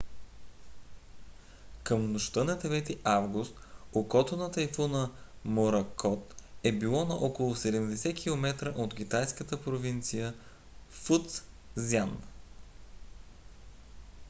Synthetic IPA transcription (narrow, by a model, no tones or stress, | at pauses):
kəmnoʃt̪ɤnɐd̪ɛvɛt̪iʔavɡʊst̪okɔt̪onət̪ɐjfunəmoɾɐkʰɔt̪ɛbilˠɔnɐʔɔkolˠʊsɛd̪ɛmd̪ɛsɛkʰilˠomɛt̪ɾəʔot̪k̟ʲit̪ajskət̪əpɾovint̪sijə | fut̪s | zʲjan